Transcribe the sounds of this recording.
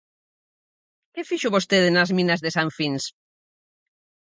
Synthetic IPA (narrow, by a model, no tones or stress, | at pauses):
kefiʃʊβost̪eðenazmĩnazðesaɱfins